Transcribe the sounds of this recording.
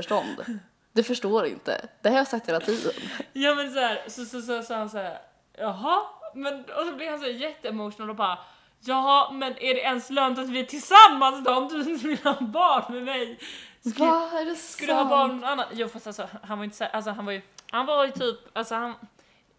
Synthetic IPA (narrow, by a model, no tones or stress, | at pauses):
œʂʈɔnd̪ | d̪ɛfœʂʈoːɾɪ̰nt̪ə̰d̪̥ɛhaɾjasak̚t̪heːlat̪ʰiːd̪ə̰njɑːmɛns̬æːɾsɔsɔs̬ɑsɑːhansæːɾ | jɑɦɑmɛnɔsɔblɪvhans̬æːjɛt̪ːəɛmoʂʊnald̪ɔbɑːɾa | jɑːɦɑmɛnʔæɖɛʔɛnslœːnt̪at̪vɪæʈʰɪlsamːansd̪ɔɾnd̪ʉnmɪnabɑːɳmɛmɛjsaɛskkald̪ɦɑːbɑːɾɳnɔnanːanjuːfast̪alsɔhahanvaɾɪnt̪ə̥sæːʔals̬ɔɦanvaɾjɵhanvajɵt̪ʰyːpalsɔhan